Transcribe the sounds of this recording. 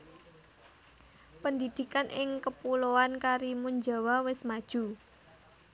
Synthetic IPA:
pənd̪id̪̥i̤kanʔɪŋkəpuloankaɾimuɲd͡ʒawawɪsmad̥ʒ̥u

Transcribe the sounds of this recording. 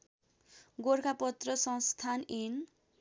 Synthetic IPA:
ɡorkʰapʌt̪rʌsʌ̃st̪ʰanen

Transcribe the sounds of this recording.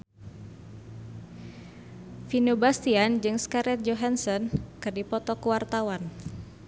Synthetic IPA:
finubast̪iand͡ʒɨŋskaɾɛt̪̚d͡ʒoɦansɔnkɨrdipɔt̪ɔkəwart̪awan

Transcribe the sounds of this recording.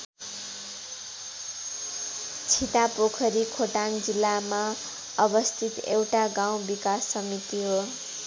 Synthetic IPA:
t͡sʰit̪apokʰʌɾikʰoʈand͡zilːama | ʌbʌst̪ʰit̪ḛwʈaɡaw̃bikasːʌmit̪iɦo

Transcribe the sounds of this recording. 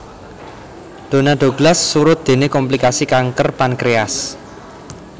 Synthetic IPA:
d̪̥o̤naɖ̥̪o̤ɡ̥lasːuɾʊt̪̚d̪̥e̤nekɔmplikasikaŋkərpankɾeas

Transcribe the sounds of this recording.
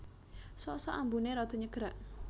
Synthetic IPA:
sɔsɔʔambuneɾɔd̪̥ɔ̤ɲəɡ̥əɾaʔ

